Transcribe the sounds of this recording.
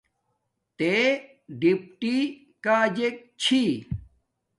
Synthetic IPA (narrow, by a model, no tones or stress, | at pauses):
t̪e | ɖip̚ʈi | kaːd͡ʑek̚t͡ɕʰi